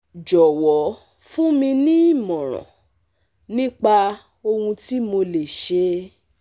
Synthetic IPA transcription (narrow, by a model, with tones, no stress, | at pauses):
d͡ʒɔ˨wɔ˨˦ | fũ˦mĩ˧nĩ˦˨mɔ̃˨ɾ̃ɔ̰̃˨ | nĩ˦k͡pa˧ | o˧hũ˧ti˦mo˧le˨ʃe˧